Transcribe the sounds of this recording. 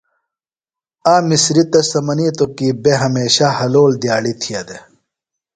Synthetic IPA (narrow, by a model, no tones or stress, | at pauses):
aːmisɾit̪ɐsɐmɐniːt̪okiːbeɦɐmeːɕahɐloːld̪jaːɽit̪ʰiɐd̪e